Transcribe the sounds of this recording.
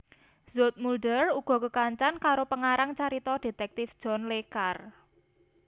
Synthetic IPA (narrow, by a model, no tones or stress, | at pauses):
zot̪̚mulɖəruɡ̥ɔ̤kəkaɲt͡ʃankaɾopəŋaɾaŋt͡ʃaɾit̪ɔd̥e̤t̪ɛk̚t̪ɪfd̥ʒ̥ɔ̤nlekar